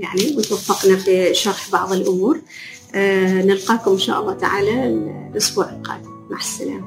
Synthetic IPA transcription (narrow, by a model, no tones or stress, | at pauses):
jaʕniwɪt̪wafːɑqnafiʃɑɾˤħbɑʕðˤɪlʔʊmuːɾ | nɪlqɑːkʊmɪnʃa̰ːʔɑlˤːɑːt̪a̰ʕaːlalʔʊsbuːʕɪlqɑ̰ːd̪ | ma̰ħsɪna